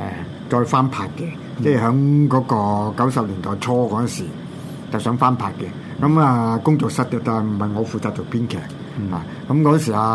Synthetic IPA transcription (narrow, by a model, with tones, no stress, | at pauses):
ʔɛ̰˨ | t͡sɔː˧jfaː˥npʰaː˧t̚kɛ˧ | t͡sɛː˥˩ɦœː˨˥ŋkɔː˨˧˥kɔː˧kɐ˨˥wsɐ˨p̚liː˨˩nt̪ɔː˨jt͡sʰɔː˥kɔː˨˧˥ɐ˥˨nsiː˨˩ | t͡sɐ˨wsœː˨˥ŋfaː˥npʰaː˧t̚kɛ˧ | kɐ˨˧˥maː˨˧kʊ˥ŋt͡sʊ˨k̚sɐ˥t̚kɛ˧taː˨˩m̩˨˩hɐ˨jŋɔː˨˧fuː˨t͡saː˧t̚to˨˩pʰiː˥nkʰɛ̰ː˨˩k̚ | ha̰ː˨ | kɐ˨˧˥mkɔː˨˥ɐ˥˨nsiː˨˩aː˧